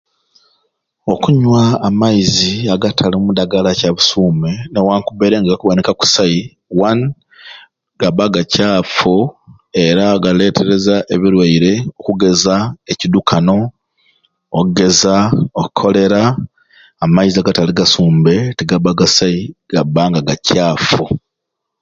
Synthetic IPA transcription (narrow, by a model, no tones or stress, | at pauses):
o̞kuɲwaːmaiziaɡatʰalimudaɡalacaβusuːmenewaːŋkubeɾeŋɡaɡakuβanikaku̥sai | wan | ɡaβaɡacaːfo | e̞ɾaɡale̞tʰe̞ɾe̞zaʔe̞βiɾwaiɾe̞okuɡe̞zaecidukʰano̞ | ouɡe̞zaokukʰːo̞le̞ɾaː | maiziaɡataliɡasuːmbe̞tiɡaβaɡasaiɡ̥abaŋɡaɡacaːfo